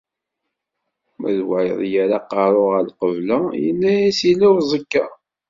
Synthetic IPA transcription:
mæðwaə̰ðˤjaɾaqːɑɾˤoʁəlqəvlæjə̰lːæjæsilːæwzˤəkːa

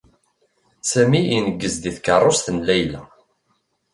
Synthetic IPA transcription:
sæmiinəɡːəzd̪iθkərˤːost̪ənlæjlæ

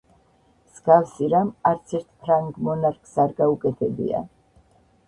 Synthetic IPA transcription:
z̥ɡafsiɾamaɾt̪sʰɛɾt̪ʰpʰɾaŋɡmɔnaɾkʰsaɾɡaukʼɛt̪ʰɛbḭa̰

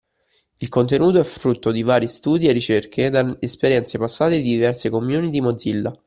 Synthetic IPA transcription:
ilkont̪enuːt̪oɛfɾut̪ːod̪ivaːɾist̪uːd̪ierːit͡ʃerkʰed̪aːspeɾjɛnt̪sepasːaːt̪ed̪id̪ivɛrsekomjuːnid̪imod̪zilːa

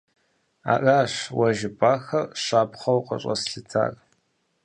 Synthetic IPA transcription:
a̰ːʔaːɕwɐʒɪpʼaːxɐrɕaːpχɐwqʼɐ̰ɕʼɐsɬɨtʰa̰ːrʼ

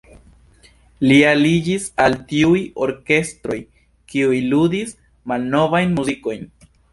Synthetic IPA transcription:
lialid͡ʒisaltiujo̞ɾke̞stɾo̞j | kiujlud̪is | malno̞vajnmuziko̞jn

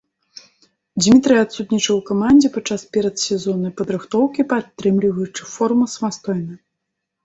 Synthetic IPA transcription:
d͡zʲmʲit̪ɾɨjat̪sut̪nʲit͡ʂɐwkamanʲd͡zʲɛpat͡ʂːaspʲɛɾɐt̪sʲɛzɔnɐjpɐd̪ɾɨxt̪ɔwkʲipat̪ːɾɨmlʲivɐjut͡ʂɨfɔrmɨsɐmast̪ɔjnɐ

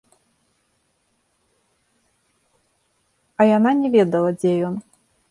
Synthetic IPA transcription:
ɐjananʲɛvʲɛd̪ɐlˠɐd͡zʲɛjɔn

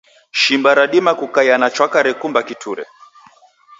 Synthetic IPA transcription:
ʃimbaɾaɗimakukajanat͡ʃwakaɾɛkumbakitʰuɾɛ̰

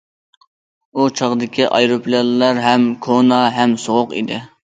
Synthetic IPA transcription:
ut͡ʃʰɑʁd̪ɪkʲiʔɑ̰jɾoplɑllːæɾɦɛmkʰonɑɦɛmsoʁʊqḭd̪ɪ

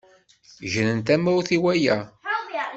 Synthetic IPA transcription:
ʒənənt̪æmæwθiwæjæ

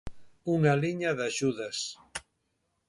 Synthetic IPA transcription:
uŋaliɲaðaʒuðas

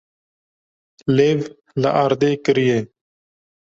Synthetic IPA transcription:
leːv | lɐʔaːɾd̪eːkəɾijeːn

